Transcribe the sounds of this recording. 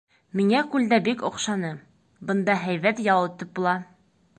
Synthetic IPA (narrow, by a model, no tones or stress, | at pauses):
miŋækʉld̪æbikŏ̰qʃɑnɤ | bɤ̆nd̪ɑɦæjβæt̪jɑlˠɤ̆t̪ɤp̚bulˠɑ